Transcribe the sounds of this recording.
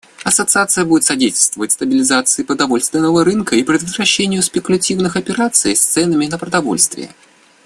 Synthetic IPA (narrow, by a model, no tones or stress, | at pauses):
ɐsət̪sɨat̪sɨjəbudʲɪt̪sɐdʲetʲɪlʲst̪vəvətʲst̪əbʲɪlʲɪzat̪sɨɪpɾəd̪ɐvo̞lʲst̪vʲɪnːəvəɾɨnkəipɾʲɪd̪vəzɾɐɕːenʲɪjʊspʲɪkʊlʲɐtʲivnɨxɐpʲɪɾat̪sɨ̰jst̪sɛnəmʲɪnəpɾəd̪ɐvo̞̰lʲst̪vʲɪ̰jə̰